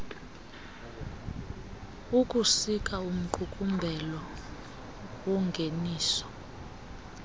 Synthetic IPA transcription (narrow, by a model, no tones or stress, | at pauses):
ukʼusikʼaum̩ǃukʼumbʱɛlɔ | wɔŋɡʱeniːsɔ̥